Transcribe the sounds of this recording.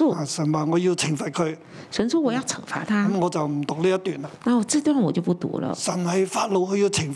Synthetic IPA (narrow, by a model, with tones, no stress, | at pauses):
a˨sɐ˨˩nwaː˨˩ŋɔː˨˧ji˧wt͡sʰɪ˨˩ŋfɐ˨t̚kʰɵ˨˧ɥ | ʂə˧˥nʂwɔ˥wɔ˨˩˦jɑ˥˩ʊt͡sʰɤ˨˩ŋfa̰˧˥t̪ʰa˥ɐ˧˥mŋɔː˨˧t͡sɐ˨wm̩˨˩t̪ʊ˨k̚liː˥jt̪yː˨˩na˧na˥˩wɔ˨˩t͡sɹ̩˥˧t̪wnə˨wɔ˨˩t͡ɕjo˥˧ʊp̬u˥˩t̪ṵ˧˥lə̰˧sɐ˨˩nhɐ˨jfaː˧t̚lo˨˧wkʰɵ˧ɥjiː˧wt͡sʰɪ˨˩ŋ